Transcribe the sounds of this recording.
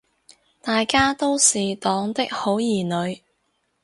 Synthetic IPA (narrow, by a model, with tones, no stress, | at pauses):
t̪aː˨jkaː˥t̪o˥wsiː˨t̪ɔː˨˥ŋt̪ɪ˥k̚ho˨˥wjiː˨˩nɵ˨˧ɥ